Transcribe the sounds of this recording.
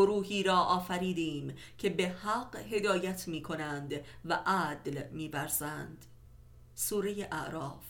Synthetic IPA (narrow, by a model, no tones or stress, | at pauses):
oɾuːhiːɾɒːʔɒːfæɾiːd̪iːmcʰe̞be̞hæɢhe̞d̪ɒːjæt̪ʰmiːkʰo̞nænd̪væʔæd̪lmiːbæɾz̥ænd̪̥ | suːɾejeʔæʔɾɒːf